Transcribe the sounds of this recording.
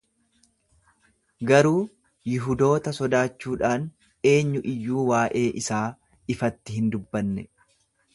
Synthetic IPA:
ɡɐɾuː | jɪɦʊd̪o̞ːt̪ɐsɔd̪aːt͡ʃːuːᶑaːn | e̞ːɲːʊʔɪjːuːwaːʔe̞ːʔɪsaː | ɪfɐt̪ːɪhɪnd̪ʊbːɐnːɛ

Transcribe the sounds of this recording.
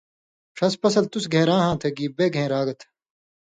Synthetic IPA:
ʂɐspɐsɐlt̪usɡʱẽːɾãːɦãːt̪ʰɐɡiːbeːɡʱẽːɾaːɡɐt̪ʰ

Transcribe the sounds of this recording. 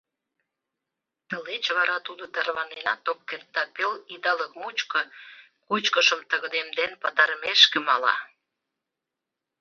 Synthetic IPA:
t̪əlet͡ɕβɑɾɑt̪ud̪ot̪ɑɾβɑnenɑt̪op̚kert̪ːɑpelid̪ɑləkmut͡ɕkə̆ | kut͡ɕkəʃəmt̪əɣə̆d̪emd̪enpɑt̪ɑɾəmeʃkĕmɑlɑ̰

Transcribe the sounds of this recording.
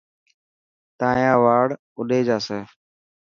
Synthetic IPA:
t̪ãːjãːʋaːɽ | ʊɗeːd͡ʒaːseː

